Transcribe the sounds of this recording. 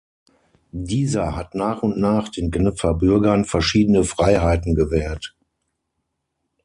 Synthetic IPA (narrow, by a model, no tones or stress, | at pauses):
diːzɐhatnaːχʊntnaːχd̥eːnɡnʏp͡fɐbʏɐɡɐnfɛɐʃiːdənəfʁ̥aɪɦaɪtn̩ɡəvɛːɐt